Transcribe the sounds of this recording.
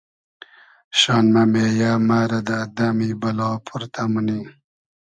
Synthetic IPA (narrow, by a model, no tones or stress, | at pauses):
ɕɑːnmɐmeːjaːmaːɾɐd̪ad̪amibɐlɑːpʰuɾt̪ʰamuni